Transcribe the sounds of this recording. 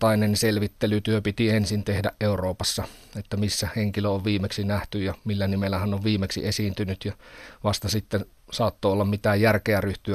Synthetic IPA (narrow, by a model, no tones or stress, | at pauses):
ɑinenselʋit̪ːelyt̪yøpit̪iensint̪ehdæʔʔeuroːpɑsːɑet̪ːæmisːæheŋkiløoʋʋiːmeksinæht̪yjɑmilːænimelːæhænoʋʋiːmˑeksḭesiːnt̪ynyt̪jɑʋɑst̪ɑsit̪ːen | sɑːt̪ːoːolːɑmmit̪æːjjærkeæryht̪yæ